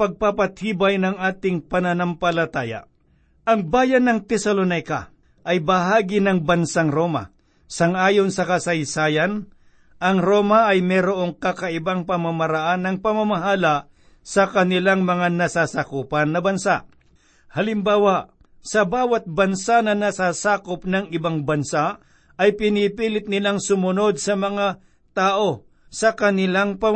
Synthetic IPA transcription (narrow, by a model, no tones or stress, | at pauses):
pɐɡ̚papɐt̪̚hiːbajnɐŋʔaːt̪ɪŋpɐnɐnampɐlɐt̪aːja̰ | ʔɐŋbaːjɐnːɐŋt̪ɛsɐlonajkɐ̰ | ʔɐjbɐɦaːɡɪnɐŋbɐnsaŋɾo̞ːma̰ | sɐŋʔaːjo̞nsɐkɐsɐjsaːjan | ʔɐŋɾo̞ːmɐʔːjmɛːɾoʔo̞ŋkɐkɐʔɪbaŋpɐmamɐɾɐʔanːɐŋpɐmɐmɐɦaːlaʔ | sɐkɐnɪlaŋmɐŋanɐsasakuːpɐnːɐbɐnsaʔ | hɐlɪmbaːwaʔ | sɐbaːwɐt̪̚bɐnsanɐnɐsasaːkop̚nɐŋɪbaŋbɐnsa | ɐjpɪnipiːlɪt̪̚nɪlaŋsʊmʊno̞d̪̚sɐmɐŋa | t̪aːʔo̞ | sɐkɐnɪlaŋpɐ